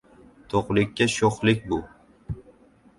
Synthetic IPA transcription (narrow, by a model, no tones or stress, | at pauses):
t̪ʰoqlˠɪkʲːaʃoχlɪk̚ʲbʊ